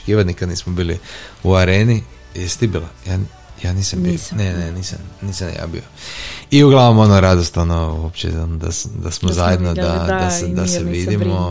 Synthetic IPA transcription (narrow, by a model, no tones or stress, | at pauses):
kiːʋat̪nikad̪niːsmobiːliuaɾeːni | jɛsi̥t̪ibilaja | janiːsambioneneniːsa̰nniːsanja̰bḭoiuɡlˠaʋnomo̞noɾad̪ost̪o̞nohopt͡ʃḛonod̪a̰sd̪asmozajed̪nodd̪ad̪ased̪aseʋid̪imo